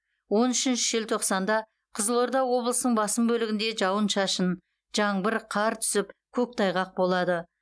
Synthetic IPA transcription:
wo̞nʏʃɪnʃɪʒɪlt̪ʰo̞qsɑnd̪ɑ | qʰəzəlˠo̞ɾd̪ɑwo̞blˠəsənəɴbɑsəmbɵlɪɡʲɪnd̪e̞ʒɑwənʃɑʃən | ʒ̥ɑɴbɪɾqʰɑɾt̪ʰʏ̥sɪpkʲʰɵk̚t̪ʰɑjʁɑq̚bo̞lˠɑd̪ə

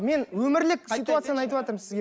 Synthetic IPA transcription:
me̞nwɵmɪɾlɪkʲsit̪uat̪sɨjanəɑjt̪əwɑt̪əɾmsɪzɡʲe

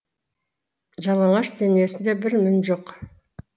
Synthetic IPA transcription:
ʒɑlˠɑɴɑʃd̪enije̞sɪnd̪e̞bɪɾmɪnʒoq

